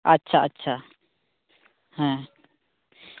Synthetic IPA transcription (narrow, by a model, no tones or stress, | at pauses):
ɐtːɕʰaɐtːɕʰa | ɦɛ̃